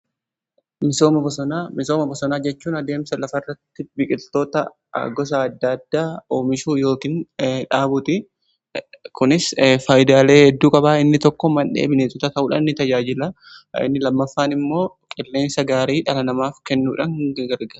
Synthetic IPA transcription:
mɪsoːmɐbɔsɔnaːmɪso̞ːmɐbɔsɔnaːd͡ʒɛt͡ʃːuːnɐd̪e̞ːmsɐlɐfɐrːɐt̪ːɪbɪkʼɪlt̪o̞ːt̪ɐ̰ | ɡɔs̬ɐːd̪ːɐd̪ːaːoːmɪʃuːjo̞ːkiːnᶑaːbʊt̪ɪ | kʊnɪsfaːjd̪aːle̞ːhɛd̪ːuːkʼɐbaːɪnːɪt̪ɔkːɔmɐnᶑḛːbɪneːt̪ɔt̪ɐt̪ɐʔuːᶑa̰nɪnːɪt̪ɐd͡ʒaːd͡ʒɪlɐ | ɪ̰nːɪlɐmːɐfːaːnɪmːo̞ːkʼɪlːe̞ːnsɐɡaːɾiːᶑɐlɐnɐmaːfkɛnːuːᶑɐŋɡɡɐɾɡɐɾ

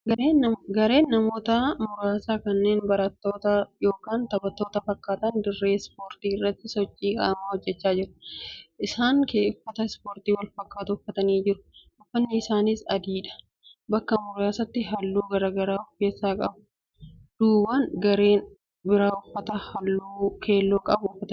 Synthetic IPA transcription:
ɡɐɾːɡɐɾe̞ːnːɐmoːt̪ɐmʊɾaːsaːkɐnːe̞ːnbɐɾɐt̪ːo̞ːt̪ɐjo̞ːkaːnt̪ɐbɐt̪ːo̞ːt̪ɐfɐkːaːt̪ɐnd̪ɪrːe̞ːspoːɾt̪iːɪrːɐt̪ːɪsɔt͡ʃʼːiːkʼa̰ːmaːhɔd͡ʒːɛt͡ʃːaːd͡ʒɪɾʊ̥ʔɪsaːŋke̞ːfːɐt̪ɐspoːɾt̪iːwɐlfɐkːaːt̪ʊfːɐt̪ɐniːd͡ʒɪɾʊ̥ʔʊfːɐnːɪɪsaːniːsɐd̪iːᶑɐ̥ | bɐkːɐmʊɾaːsɐt̪ːɪɦɐlːuːɡɐɾaːɡɐɾaːʊfe̞ːsːaːkʼɐ̰bʊ | d̪̥uːbɐnɡɐɾeːn | bɪɾaːʊfːɐt̪ɐhɐlːuːkʰe̞ːlːoːkʼɐbʊʊfːɐt̪ɐ

